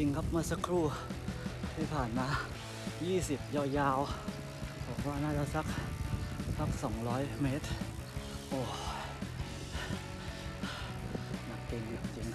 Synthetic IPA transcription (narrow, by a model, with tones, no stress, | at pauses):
i˧ŋkʰa˦˥p̚maː˧sa˧kʰɾuː˥˩ | t̪ʰiː˥˩pʰaː˨˩nmaː˧ | jiː˥˩si˨˩p̚jɔː˧˩jaː˧˩w | bɔː˨˩˦k̚waː˥˩naː˥˩t͡ɕa˧˩sa˦˥k̚ | sa˦˥k̚sɔː˩˦ŋɾɔː˦˥jmeː˦˥t̪̚ | ʔoː˧˩ | ma˧˩t̪e˧ŋja˨˩t͡ɕi˧ŋ